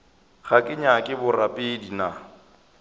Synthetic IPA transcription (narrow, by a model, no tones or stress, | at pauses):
ɣakʼɪɲakʼɪbʊrapʼɪdina